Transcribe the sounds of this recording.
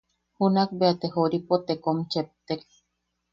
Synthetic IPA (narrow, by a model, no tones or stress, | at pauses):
hunakbeat̪ehoɾipot̪ekomt͡ʃep̚t̪ek̚